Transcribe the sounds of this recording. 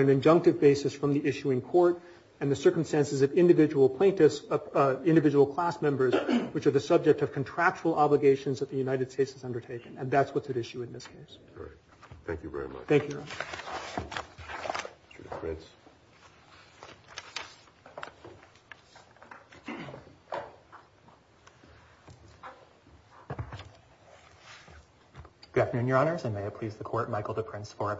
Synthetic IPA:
ɨ̃nɨ̃nd͡ʒʌ̃ŋk̚tɨvbeɪsɨsfɹʌ̃mðiʔɪʃʉɨ̃nkʰɔɹɾ | ɨ̃nðɨsɜ˞km̩stæ̃nsɨzʌvɪ̃ndɨvɪd͡ʒəwl̩ˠpʰl̥ẽɪ̃ntɨsɪ̃ndɨvɪd͡ʒəwl̩ˠkʰl̥æsmɛ̃mbə˞zwɨt͡ʃə˞ðɨsʌb̚d͡ʒɨk̚tʌv̥kʰɨ̃n̩tʰɹ̥æk̚t͡ʃəl̩ˠɑbləɡeɪʃɨ̃nzðɨt̪̚ðɨjʉnaɪɾɨd̥steɪtsɨzʌ̃ndə˞tʰeɪkɨ̃nɨ̃nðætswʌtsɨɾɪʃʉɨ̃nðɪskʰeɪs | θæ̰̃ŋkjʉvɛ̰ɹḭm̰θæ̃ŋkjʉvɛɹɪmʌt͡ʃ | sə̰kʰɹɪts | ɡ̥ævnʉ̃njə˞ɑnə˞zɨ̃nmeɪɨt̚pʰl̥izðɨkʰɔɹt̚maɪkl̩ˠðəpʰɹ̥ɪ̃nsfə˞ɨ

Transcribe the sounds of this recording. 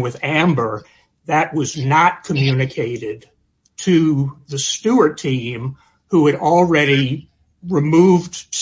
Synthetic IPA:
wɨðæ̃mbə˞ | ðɨt̚wʌznət̚kʰɨmjʉnɨkʰeɪɾɪd̚ | tʰɨðɨstʉə˞tʰĩm | huɨɾl̩ˠɹɛɾi | ɹɨmuvd̥s

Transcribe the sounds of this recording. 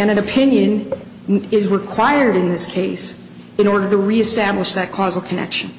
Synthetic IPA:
ɨ̃ñɨ̃nɨpʰɪ̃njɨ̃n | ɪzɹɪkʰw̥aɪə˞ɾɨ̃nðɪskʰeɪs | ɨ̃ɾ̃ɔɹɾə˞ɾəɹiɨstæbləʃðɨt̚kʰɔzl̩ˠkʰɨnɛ̰kʃɨ̃n

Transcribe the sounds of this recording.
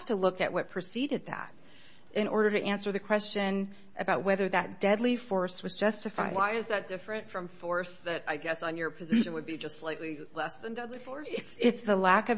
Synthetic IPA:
ftəlʊkɨ̰ʔ̚wʌt̚pʰɹ̥ɨsiɾɨd̪̚ðæ̰ɾ̚ | ʔɨ̃ñɔ̰ɹɾə˞ɾɨʔæ̃nsə˞ðɨkʰw̥ɛst͡ʃɨ̃n | ʔɨbaʊt̚wɛðə˞ðɨt̚d̥ɛdˡlifɔɹswʌzd͡ʒʌstɨfa̰ɪwaɪɨzðɨt̚d̥ɪfɹɨ̃ntfɹʌ̃ɱfɔɹsðɨɾaɪɡɛsn̩jə˞pʰɨzɪʃɨ̃nwɨd̚bid͡ʒʌstslaɪʔˡlilɛsðɨ̃ndɛdˡlifɔɹsɪtsɪtsðəlækʌ

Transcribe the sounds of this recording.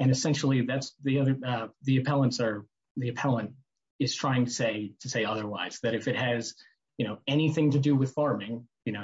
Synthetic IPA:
ɨ̃ñɨsɛ̃nʃl̩ˠiðætsðiʌðə˞ʌðiɨpʰɛlˠə̃ntsə˞ | ðiɨpʰɛlˠə̃nt | ɨz̥tʰɹ̥aɪɪ̃ŋtʰɨ̥seɪɾʰɨseɪʌðə˞waɪz̥ðɨɾɨfɨt̚hɨz̥ | jɨnoʊɛniθɪ̃ŋtɨdɨwɨð̥fɑɹmɪ̃ŋjɨnoʊ

